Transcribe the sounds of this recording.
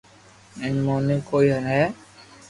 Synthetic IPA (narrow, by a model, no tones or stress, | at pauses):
ɪnmoːniːkoːiːɦənɦɛː